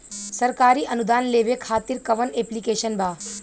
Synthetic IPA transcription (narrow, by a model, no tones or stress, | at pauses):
sɐɾkaːɾiːʔɐnud̪aːnleːʋekʰaːt̪iɾkɐʋəneːplikeːʃənbʱaː